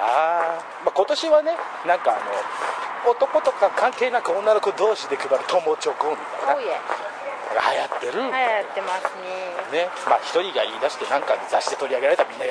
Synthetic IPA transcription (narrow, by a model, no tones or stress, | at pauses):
aː | mako̞t̪o̞ɕiβane̞ | nãŋka̰ːno̞ot̪o̞ko̞t̪o̞kakʰãŋke̞ːnakɯõ̞nːano̞kod̪o̞ːɕid̪e̞kɯ̟baɾɯt̪ʰo̞mot͡ɕo̞ːkõniaa | aɡa̰hajat̪ːe̞ɾɯ̟ajat̪ːemasɨnene̞maːçi̥t̪o̞ɾʲiɡaiːd̪aɕi̥t̪e̞nãŋkazaɕi̥t̪e̞t̪o̞ɾʲiaɡe̞ɾaɾet̪amʲĩnːaɡa